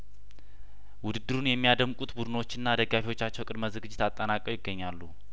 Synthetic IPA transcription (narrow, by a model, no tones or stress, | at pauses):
wʊd̪ɨd̪ːɨɾunjɛmːijad̪əmkʼut̪bud̪ɨno̞t͡ʃːɪnːad̪əɡafiwo̞t͡ʃːat͡ʃːɛwkʼɨd̪məzɨɡɨd͡ʒːɪt̪ʰat̪ʼːənakʼəwjɪɡːəɲːalːṵ